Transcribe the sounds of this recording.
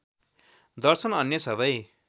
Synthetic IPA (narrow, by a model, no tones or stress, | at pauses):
d̪ʌrsʌnʌnjʌsʌbʌj